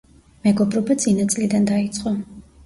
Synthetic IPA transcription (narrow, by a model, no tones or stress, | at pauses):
mɛɡɔbɾɔbat̪sʼinat̪sʼlid̪and̪ait̪sʼqʼɔ